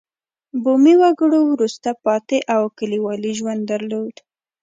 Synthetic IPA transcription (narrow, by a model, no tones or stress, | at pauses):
bomiwaɡəɽowɾust̪apɑt̪eʔawkəliwɑliʒwand̪d̪aɾlod̪